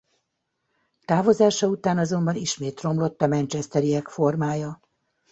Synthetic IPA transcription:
t̪aːvo̞zaːʃɒut̪aːnɒzo̞mbɒniʃmeːt̪ro̞mlo̞t̪ːɒmɛnt͡ʃɛst̪ɛɾiɛkfo̞rmaːjɒ

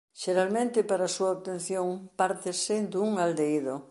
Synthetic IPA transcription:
ʃeɾalmẽnt̪ɪpaɾasuaoβt̪en̟θjoŋpaɾt̪ɪsɪd̪uŋald̪eiðo

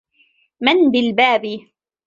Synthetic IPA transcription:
mɪnbɪlbaːbɪ

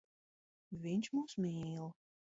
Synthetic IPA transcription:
vʲiɲʲt͡ʃmuːsmʲiːlˠ

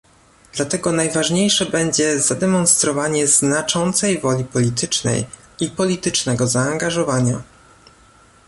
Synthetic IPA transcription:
d̪̥lat̪ɛɡɔnajvaʐɲejʂɛbɛɲd͡ʑɛzad̪ɛmɔnst̪ɾɔvaɲɛznat͡ʂɔnt̪sɛjvɔlʲipɔlʲit̪ʰɘt͡ʂnɛ̰j | ipɔlʲit̪ɘt͡ʂnɛɡɔzaːŋɡaʐɔvaɲa

